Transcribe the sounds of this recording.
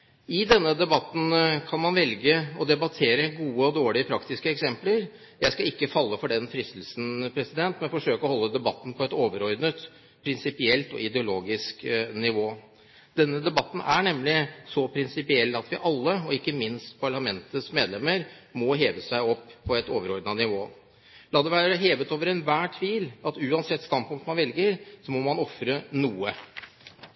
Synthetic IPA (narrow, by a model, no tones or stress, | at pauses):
ɪd̪ɛnːəd̪ɛbɑt̪ːn̩kʰɑnmɑnʋɛlɡəɔd̪ɛbɑt̪ʰeːɾəɡuːəɔd̪oːɭɪəpʰɾɑkt̪ɪskəɛksɛmpləɾ | jæɪskɑɪkːəfɑlːəfɔɖɛnfɾɪst̪l̩sn̩pʰɾɛsɪd̪ɛnt̪mɛnfɔʂøːkəɔhɔlːəd̪ɛbɑt̪ːn̩pʰɔɛt̪oːʋəɾɔɾd̪nət̪ | pʰɾɪnsɪpɪɛlt̪ɔ̰ɪd̪ɛʊloːɡɪsknɪʋoː | d̪̥ɛnːəd̪ɛbɑt̪ːn̩æɳɛmlɪsɔpʰɾɪnsɪpɪɛlt̪ɑt̪ʋɪʔɑlːəɔɪkːəmɪnst̪pʰɑɭɑmɛnt̪əsmeːd̪lɛmːəɾmɔɦeːʋəsæɪɔpːʰɔɛt̪oːʋəɾɔɾd̪nɑnɪʋoː | lɑːd̪ɛʋæːɾəɦeːʋət̪oːʋəɾɛnʋæːʈʰʋiːlɑt̪ʉːɑnsɛt̪ːst̪ɑnpʊŋkt̪mɑnʋɛlɡəɾsɔmɔmɑnɔfɾənuːə